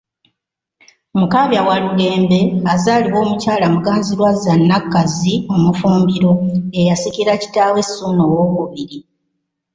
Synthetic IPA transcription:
mukaβjawalule̞ːmbe̞azaːliwo̞ːmucaːlamuɡaːnziɾwazanːakːazio̞mufuːmbiɾo̞ejasikiɾaci̥taːwe̞sːunoːwo̞ːβuβiɾi

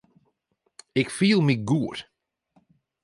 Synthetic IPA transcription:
ɪkfiːlˠmɪɡuːɾ

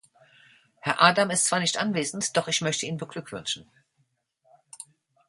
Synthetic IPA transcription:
hɛɐʔaːdamɪstt͡sv̥aːɐnɪçtʔanveːzn̩td̥ɔχɪçmœçtəʔiːnbəɡlʏkv̥ʏ̰nʃn̩

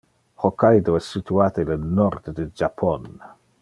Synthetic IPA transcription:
hɔkʰajdoɛsːitʰuaːtɛlənɔrd̪dəd͡ʒapʰɔn

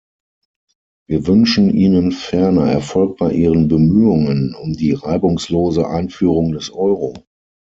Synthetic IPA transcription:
viːɐvʏnʃn̩ʔiːnənfɛɐnɐɛ̰ɐfɔlk̚b̥aɪʔiːʁənbəmyːʊŋənʊmdiːʁaɪbʊŋsloːzəʔa̰ɪnfyːʁʊŋdɛsʔɔʏʁo

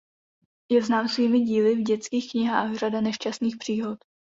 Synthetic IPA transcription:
jɛvznaːmsviːmɪɟiːlɪvɟɛt͡skiːxkɲɪɦa̰ːxr̝adanɛʃt͡ʃast̪niːxpr̝̥iːɦot̪

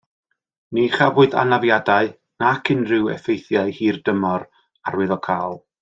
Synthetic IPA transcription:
niχavʊɨða̰navjadaɨ | nakʰɪnrɪwɛ̰fejθjaɨhiːrdəmɔɾ | arwɪðɔkʰaːlˠ

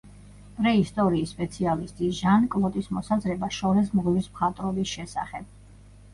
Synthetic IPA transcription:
pʼɾɛist̪ʼɔɾiːsːpʼɛt̪sʰialist̪ʼiʒankʼlˠɔt̪ʼismɔsazɾɛbaʃɔɾɛs̬mʁlismχat̪ʼɾɔbisʃɛsa̰χɛb̥

